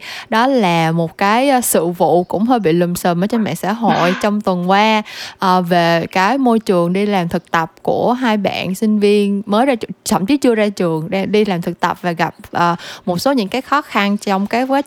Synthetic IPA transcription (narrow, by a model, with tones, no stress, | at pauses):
ɗɔ˨˦laː˨˩mo˨˩t̚kaː˨˦jsɨ̰˧˨vṵ˧˨kʊ̰˧˥ŋ͡mɦəː˧jɓḭ˧˨lɨ˨˩msə˨˩mʔəː˧˩˦t͡ɕɔ˧mɛ̰ː˧˨sa̰ː˧˥ɦo̰˧˨jt͡ɕɔ˧wŋ͡mt̪wə˨˩nkwaː˧ʔəː˨˩ve˨˩kaː˨˦jmo˧jt͡ɕɨ˨˩əŋɗi˧laː˨˩mt̪ʰɨ˨˩k̚t̪ə˨˩p̚ku˧˩əɦaː˧jɓa̰ː˧˨nsï˧ŋ̟vi˧ənməː˨˦jza˧t͡ɕə̰˧˩mt͡ɕi˨˦˥t͡ɕɨ˧əzaː˧t͡ɕɨ˨˩əŋɗɗi˧laː˨˩mt̪ʰɨ˨˩k̚t̪ə˨˩p̚vaː˨˩ɣa˨˩p̚ʔəː˨˩mo˨˩t̚so˨˦ɲɨ̰˧˥ŋkaː˨˦jxɔ˨˦xa˧nt͡ɕɔ˧wŋ͡mkaː˨˦jvaː˨˦